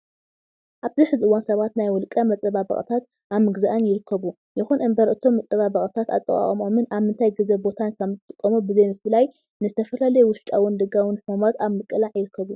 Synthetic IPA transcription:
ʔaβziħɨzɨʔɨwansɐβat̪najwɔlkʼɐmɐt͡sʼɨβabɐ̰χʼt̪ʰat̪̚ | ʔaβmɨɡzaʔɨnjɪɾɨkʰːɐβu | jɪxunʔɨmbɐɾʔɨt̪ʰo̞mːɐt͡sʼɐβabɐχʼt̪ʰat̪a̰t̪ʼːɨ̰kʼa̰χʼɐmomɨnaβmɨnt̪ʰajɡɨzɐbo̞t̪ʰankʰɐmzɨt̪ʼːɨkʼːɐmubɨzɐjmɨfɨlaj | nɨzɨt̪ʰɐfɐlalɐjɛwʊʃt͡ʃʼawʊnd̪ɨɡawʊnħɨmumat̪aβmɨkʼɨlaʕjɪɾɨkʰːɐβu

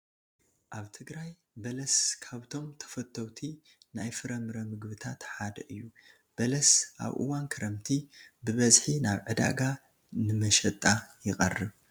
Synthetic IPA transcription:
ʔaβt̪ʰɨɡɾaj | bɐlɐskʰaβt̪ʰo̞mt̪ʰɐ̥fɐt̪ʰːɐwt̪ʰi | najfɨɾɐmɨɾɐmɨɡβɨt̪ʰat̪ħad̪ɐʔɨjːu | b̥ɐlɐsʔa̰βʔɨ̰wankʰɐɾɐmt̪ʰibɨβɐzħinaβʕɨd̪a̰ɡa | nɨmɐʃɐt̪ʼajɪqʼɐ̰rːɨβ

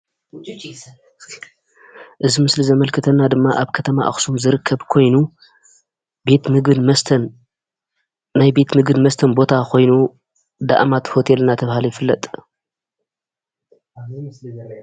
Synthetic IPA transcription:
ʔɨzimɨslizɐmɐlkʰɨt̪ʰɐnːad̪ɨmːaʔaβkʰɐt̪ʰɐma̰ʔa̰xsumzɨɾɨkʰːɐβkʰo̞jnu | bet̪mɨɡɨmɐsʰn | najbe̞t̪mɨɡɨd̪mɐst̪ʰɐnbo̞t̪ʰakʰo̞jnu | d̪a̰ʔmat̪ho̞t̪ʰe̞lnat̪ʰɐβhalijɪfɨlːɐt̪ʼ

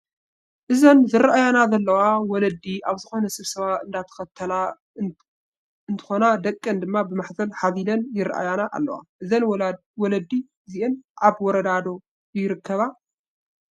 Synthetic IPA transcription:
ʔɨzɐnzɨɾɐʔajanazɐlːɐwawɔlɐd̪iaβzɨxo̞nɐsɨβsɐβaɨnd̪at̪ʰɐ̥xɐt̪ʰːɐla | ɨnt̪ʰɨ̥xo̞nad̪ɐkʼːɐnd̪ɨmːabɨmaħzɐlħaβilɐnjɪɾ̰ʔa̰janaʔa̰lːɐ̰wa̰ʔɨzɐn | wɔlɐd̪ːi | ziʔɛnʔaβwɔɾɐd̪ad̪o̞ | jɪɾɨkʰːɐβa

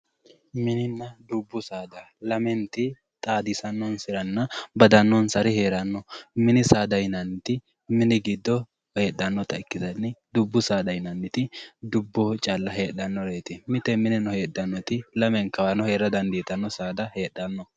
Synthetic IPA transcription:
mɪnɪnːɐd̪ʊbːʊsaːd̪ɐ | lɐmɛnt̪ɪ | t̪ʼaːd̪ɪsɐnːɔnsɪɾɐnːɐbɐd̪ɐnːɔnsɐɾɪheːɾɐnːɔmɪnɪsaːd̪ɐjnɐnːɪt̪ɪ | mɪnɪɡɪd̪ːɔ | he̞ːɗːɐnːɔt̪ɐɪkːɪzɐnːɪd̪ʊbːʊsaːd̪ɐjnɐnːɪt̪ɪd̪ʊbːɔt͡ʃʼalːɐɦe̞ːɗɐnːɔɾeːt̪ɪmɪt̪ɛmɪnɪnɔhe̞ːɗːɐnːɔt̪ɪlɐmɛŋkɐwanɔhe̞ːɾɐd̪ɐnd̪iːt̪ɐnːɔsaːd̪ɐhe̞ːɗːɐnːɔ

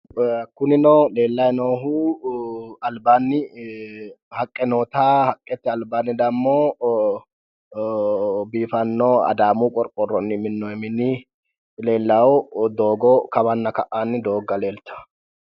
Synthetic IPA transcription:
kʊnɪnɔːle̞ːlːɐjnoːɦu | ɐlbaːnːɪ | hɐkʼːɛnoːt̪aːhɐkʼːɛt̪ːɪɐlbaːnːɪd̪ɐmːoː | biːfɐnːɔɐ̰d̪aːmukʼɔɾkʼːɔrɔnːɪmɪnːɔjɛmɪnːɪ | le̞ːlːawd̪oːɡɔkɐβɐnːɐkɐʔːanːɪd̪o̞ːɡɐle̞ːlt̪ɐ̥

